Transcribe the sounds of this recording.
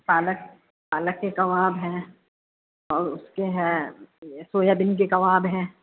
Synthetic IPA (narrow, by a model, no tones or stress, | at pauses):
paːlək̚ | paːləkːekɐʋaːbɦɛ̃ː | ɔːɾʊskeɦɛ̃ | soːjabɪnk̬ekɐʋaːbɦɛ̃ː